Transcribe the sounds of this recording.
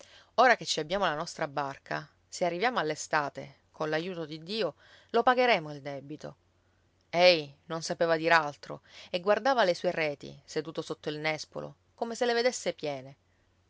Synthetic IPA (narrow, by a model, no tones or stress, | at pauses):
oːɾaket͡ʃːiabːjaːmolanɔst̪ɾabarkʰa̰ | searːivjaːmoalːest̪aːt̪ḛ | kʰonlajuːt̪od̪id̪ːiːo | lopaɡeɾɛːmoild̪ɛbit̪o | ɛjnonsapeːvad̪iːɾealt̪ɾo̰eɡːward̪aːvalesuːerɛːt̪ḭsed̪uːt̪osot̪ːoilnɛspo̰lo̰ | komeseleved̪esːepjɛːne